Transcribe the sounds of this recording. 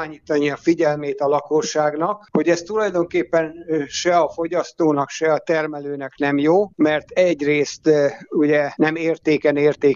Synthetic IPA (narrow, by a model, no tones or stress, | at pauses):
aːɲiːt̪ɒniɒfiɟɛlmeːt̪ɒlɒkoʃːaːɡn̪ɒkho̞ɟɛst̪ulɒjd̪o̞ŋkeːpːɛnʃɛɒfo̞ɟɒst̪oːnɒkʃɛɒt̪ɛrmɛløːnɛknɛmjoːmɛrt̪ɛɟreːst̪uɟɛnɛmeːrt̪eːkɛneːrt̪eː